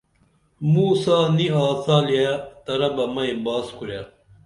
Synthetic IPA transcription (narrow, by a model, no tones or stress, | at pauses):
muːsaːniaːsaːliajat̪ɐɾɐbɐmɐẽbaːskuɾjaː